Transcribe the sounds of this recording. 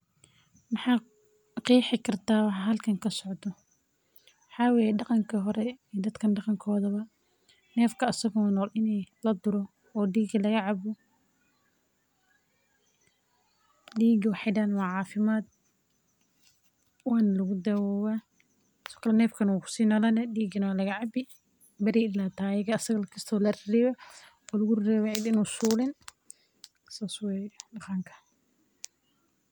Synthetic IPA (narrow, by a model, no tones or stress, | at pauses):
mɑħɑː | qiːħɪkʰɐrt̪ʰaːwɑħɦɐlkʰɐŋkʰɐsɔʕd̪ɔ | wħɑːweːjɛɖɑqɑŋkʰɐɦɔɾɛiːd̪ɐd̪kʰɐnɖɑqɑŋkʰɔːðɐβɐ | nɛːfkʰɐɐsɐɣɔːnɔːlʔɪnɛjlɐd̪ʊɾɔ | ɔːɖiːɡɐlɐɣɐʕɑβɔ | ɖiːɡɪwɑħɪjdanwɑːʕɑːfɪmaːd̪̚ | waːnlɐɣʊd̪ɐwawa | sɔ̥kʰlnɛːfkʰɐnwakʊ̥siːnɐlɐnɐdiːɡɪnwalɐɣɐʕabɪ | bɐɾiʔɪlaːt̪ʰaːjɪɡɐːsɐɣɐlɐkʰɪst̪ʰɔlɐɾɾɛwɛ | ɔːlɐɣʊrrɛːwɛʕid̪ɪnʊsuːlɪn | saːswɛdɑqaːŋkʰɐ̥